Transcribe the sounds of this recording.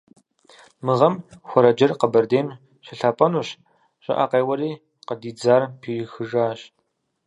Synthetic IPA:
mɨʁɐmxʷɔɾɐd͡ʒɐrqɐbɐrdeːm | ɕɪɬaːpʼɐnuːɕ | ɕʼɐ̰ʔa̰ːqejwɐɾiː | qədiːd͡zaːrpʰiːxɨʒaːɕ

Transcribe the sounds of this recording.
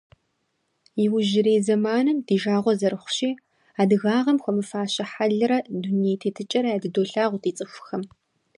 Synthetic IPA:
jiwʊʒɪɾeːzɐmaːnɨmdiːʒaːʁʷɔzɐrɨχʷʊ̥ɕiː | aːdɨɣaːʁɐmxʷɔmɨfaːɕɐħaɮɨɾɐduneːtʰeːtʰɨt͡ʃʼɐɾɐjaːdɨdoːɬaːʁʷtiːt͡sʼɨxʷxɐm

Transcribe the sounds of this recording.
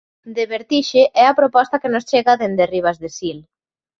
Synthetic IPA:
d̪eβeɾt̪iʃeʔɛɐpɾopɔst̪akenost͡ʃeɣaðend̪eriβ̞azðesil

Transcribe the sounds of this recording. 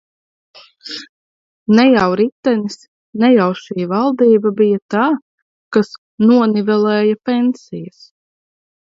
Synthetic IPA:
nɛjawɾit̪ːɛnis | nɛjawʃiːvalˠd̪iːbabijat̪aː | kas | nuɔnivɛlˠɛːjapʲɛnsijas

